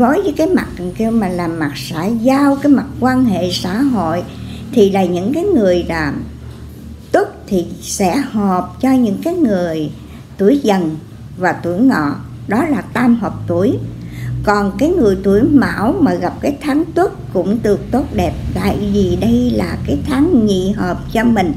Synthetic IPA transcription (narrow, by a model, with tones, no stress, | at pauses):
vo˨˦jzəː˨˦jkaː˨˦jma˨˩t̚ɨ˨˩ŋki˧əwmaː˨˩laː˨˩ma˨˩k̚sa̰ː˧˩jzaː˧wkaː˨˦jma˨˩t̚kwaː˧nɦḛ˧˨sa̰ː˧˥˨ɦo̰˧˨jt̪ʰi˨˩laː˨˩ɲɨ̰˧˥ŋkaː˨˦jŋɨ˨˩əjlaː˨˩ | t̪u˦˥t̚t̪ʰi˨˩sɛ̰˧˥hɔ˨˩p̚t͡ɕɔ˧ɲɨ̰˧˥ŋkaː˨˦jŋɨ˨˩əj | t̪u˧˩əjzə˨˩n | vaː˨˩t̪u˧˩əjŋɔ̰˧˨ | ɗɔ˨˦laː˨˩t̪aː˧mɦɔː˨˩p̚t̪u˧˩əjkɔ˨˩nkaː˨˦jŋɨ˨˩əjt̪u˧˩əjma̰ː˧˥wmaː˨˩ɣa˨˩p̚kaː˨˦jt̪ʰaː˨˦ŋt̪wu˦˥t̚kʊ̰˧˥ŋ͡mɗɨ˨˩ək̚t̪o˦˥t̚ɗɛ˨˩p̚t̪a̰ː˧˨jvi˨˩ɗə˧jlaː˨˩kaː˨˦jt̪ʰa˨˦ŋɲḭ˧˨ɦəː˨˩p̚t͡ɕɔ˧mï˨˩ŋ̟